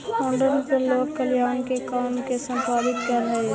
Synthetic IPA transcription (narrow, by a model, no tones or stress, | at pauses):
õːɳɖənpəɾloːkkːɐljaːnkekaːmkesɐ̃mpaːɾɪt̪kɐɾɦɐe